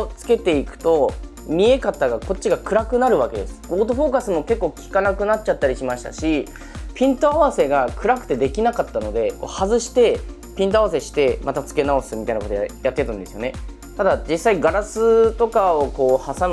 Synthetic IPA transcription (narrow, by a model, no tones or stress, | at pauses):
t͡sɨ̥ke̞t̪e̞ikɯ̟̥t̪o̞ | mʲie̞kat̪ːaɡako̞tt͡ɕːiɡakɯ̟ɾakɯ̟naɾɯ̟βake̞d̪e̞sɨ̥ɡo̞ːt̪oɸo̞ːkasɨmo̞ke̞kːo̞ːkʲi̥kanakɯ̟nat̚t͡ɕat̪ːaɾʲiɕimaɕi̥t̪a̰ɕi | pʲĩnt̪oaβase̞ɡakɯ̟ɾakɯ̟̥t̪e̞d̪e̞kʲinakat̪ːano̞d̪e̞ko̞̰ːhazɨɕi̥t̪e̞ | pʲĩnt̪oaβas̬e̞ɕi̥t̪e̞mat̪at͡sɨ̥ke̞nao̞sɨmʲit̪ainakot̪ojat̪ːet̪ːand̪e̞sɨjo̞ne̞ | t̪ad̪ad͡ʑisːaiɡaɾasɨt̪o̞kaoko̞ːhasam